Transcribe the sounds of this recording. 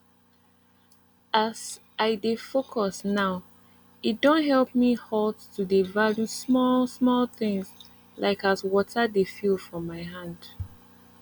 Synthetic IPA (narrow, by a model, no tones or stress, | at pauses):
ʔaz | ʔaɪdefokʰɔsnaʊ | it̚dõntɦɛlˠp̚mihɔldtudevaljusmɔlsmɔlθɪ̃ŋz | lʔaɪkazwɔtʰədefilˠfɹɔ̃mːaɪɦãnd̥